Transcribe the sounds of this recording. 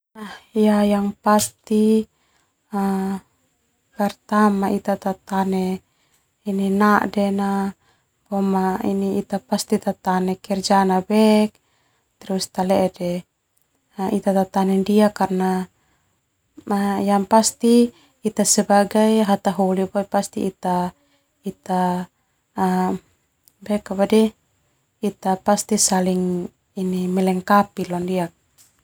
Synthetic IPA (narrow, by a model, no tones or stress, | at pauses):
ahjajaŋpast̪i | a | kart̪amaʔit̪at̪at̪anɛ | ininaʔdɛna | bɔmaḭniit̪apast̪it̪at̪anɛkɛrd͡ʒanabɛk̚ | t̪ɛɾust̪alɛʔɛdɛ | it̪at̪at̪anɛndiakarna | majampast̪iː | t̪asɛbaɡajɦat̪aɦulibapast̪ḭːt̪a | it̪a | bɛkabadɛ | it̪apast̪isaliŋ | inimɛlɛŋkapilɔndiak̚